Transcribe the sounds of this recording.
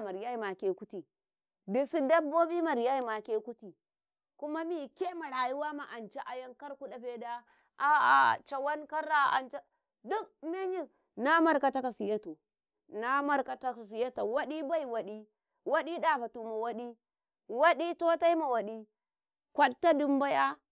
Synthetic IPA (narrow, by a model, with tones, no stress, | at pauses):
ma˨ɾja˦i˦˨ma˨ke˨ku˦ti˨ | di˨si˦da˦bːo˦bi˦ma˨ɾja˦ji˦ma˨ke˦ku˦ti˨ | ku˦ma˦mi˦˨ke˦ma˨ɾa˨ji˦wa˦ma˨ʔa˨nt͡ʃa˦ʔa˨ja˦ŋka˦ɾku˦ɗa˨ɸe˦da˦ | a˦a̰˨t͡ʃa˨wa˦nka˦ɾa˦a̰˨nt͡ʃa˦ | du˦kme˦ɲi˦ | na˦ma˦ɾka˨ta˦ka˨si˨ja˦to˨ | na˦ma˦ɾka˨ta˦˨s̬i˨ja˦ta˨wa˦ɗi˦ba˦i˨wa˨ɗi˦ | wa˦ɗi˦da˦˨ɸa˨tu˨ma˨wa˦ɗi˦ | wa˦ɗi˦to˦ta˦i˦ma˨wa˨ɗi˦ | kʷa˦ɗta˦du˦mba˦ja˦